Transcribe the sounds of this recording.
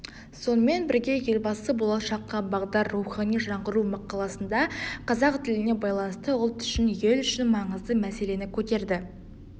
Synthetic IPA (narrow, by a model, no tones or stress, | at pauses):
so̞nəme̞nbɪɾɡʲe̞je̞lbɑsəbo̞lˠɑʃɑqːɑbɑʁd̪ɑrːuχɑnijʒɑɴʁəɾumɑqʰːɑlˠɑsənd̪ɑqʰɑzɑq̚t̪ʰɪlɪne̞bɑjlˠɑnəst̪əʊlˠt̪ʏ̥ʃɪnjelʏʃɪnmɑɴəzd̪əmæse̞le̞nɪkʲʰɵt̪e̞ɾd̪ɪ